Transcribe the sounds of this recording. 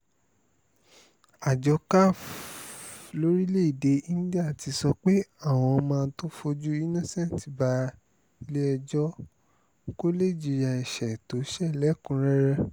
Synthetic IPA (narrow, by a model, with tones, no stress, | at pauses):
a˨d͡ʒɔ˧˦ka˦f | lo˦ɾi˦le˦i˨de˧i˦da˦˨ti˨˧sɔ˧k͡pe˦a˦˨w̃ɔ̃˧mãː˧n̩˦to˦fo˧d͡ʒu˦i˦nɔ̃˦˨sɛ̃˦˨n˨ti˨ba˧˦ | i˧le˦ɛ˧d͡ʒɔ˦ | ko˦le˦˨d͡ʒi˨˧ja˧˨ɛ˨ʃɛ˨to˨˦ʃɛ˦˨lɛ˨˦kũ˧˦ɾɛ˦ɾɛ˦